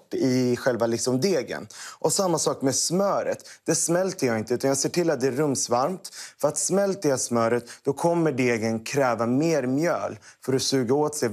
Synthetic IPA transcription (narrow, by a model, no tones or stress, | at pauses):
ʈːɪɧɛlvalɪksɔmd̪eːɡə̰nʔɔsamːasɑːkmɛsmœːɾə̰t̪d̪̥ɛsmɛlt̪əjɑːɪnt̪əʉːt̪anjɑɡseːʈɪlːat̪̚d̪ɛæɾɵmsvaɾmt̪fœɾat̪smɛlt̪əjasmœːɾət̪d̪̥ɔkʰɔmːəɖeːɡənkʰɾɛːvameːɾmjœ̰ːlfœɾɔsʉ̟ːɡaoːt̪sɛ